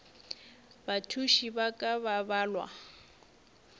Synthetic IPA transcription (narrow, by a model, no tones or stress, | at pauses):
batʰuʃibakʼaβabaːlwa̰